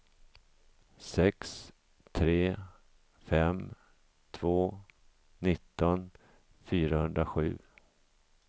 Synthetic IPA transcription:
sɛks | t̪ʰɾeː | fɛm | t̪ʰvoː | nɪt̪ːɔn | fyːɾahɵnd̪ɾaɧʉ̟̰ː

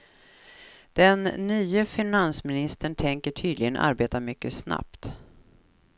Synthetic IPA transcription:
d̪̥ɛnːyːəfɪnansmɪnɪst̪əɳʈʰɛŋkəʈʰyːd̪lɪɡənʔa̰ɾbeːt̪aɾmʏkːəsna̰pt̪

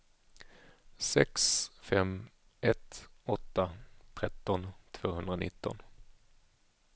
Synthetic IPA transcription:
sɛksfɛm | ɛt̪ɔt̪ːat̪ʰɾɛt̪ːɔnt̪ʰv̥oːhɵnd̪ɾanɪ̰t̪ːɔ̰n

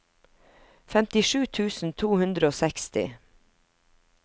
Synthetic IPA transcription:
fɛmt̪ɪʃʉːt̪ʰʉːsn̩t̪ʰuːhʉnd̪ɾəoːsɛkst̪ɪ̰

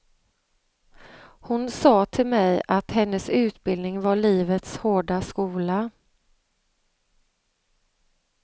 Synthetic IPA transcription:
hʊnsɑːt̪ʰɪlmɛjat̪hɛnːəsʉ̟ːt̪bɪld̪nɪŋvaɭiːvət̪shoːɖaskuːla

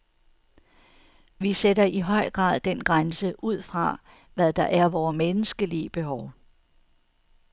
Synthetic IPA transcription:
ʋisedɐʔiɦɒɪ̰ɡ̥ʁɑ̰̈ːðˠd̥en̰ɡ̥ʁansəʔuð̞̰ˠfʁɑ̈ | ʋæðˠd̥ɑ̈ʔæɐʋɒːmenəsɡ̥əliəb̥e̝ɦɒʊ

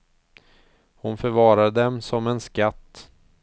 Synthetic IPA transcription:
hʊnfœɾvɑːɾad̪əd̪ɛmsɔmɛnskat̪ː

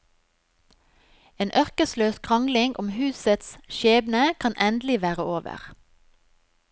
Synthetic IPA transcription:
eːnʔœʁkəsløːskʰʁɑŋɡlɪŋʔʊmhʉːsət̪sʃeːbnəkʰɑnʔɛnd̪l̩ɪʋæːʁəoːʋə̰ʁ

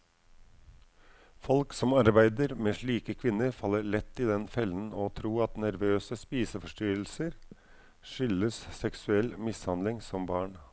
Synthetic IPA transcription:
fɔlksɔmɑɾbæɪd̪əɾmeːʂɭiːkəkʰʋɪnːəɾfɑlːəɾɭɛt̪ːɪd̪ɛnfɛlːən̩ɔt̪ʰɾuːɑt̪næɾʋøːsəspiːsəfɔʂʈyːɾl̩səɾ | ʂʏləssɛksʉɛlmɪshɑnd̪lɪŋsɔmbɑːɳ

